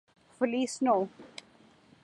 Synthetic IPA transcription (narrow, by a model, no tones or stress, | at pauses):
fʊliːsnoː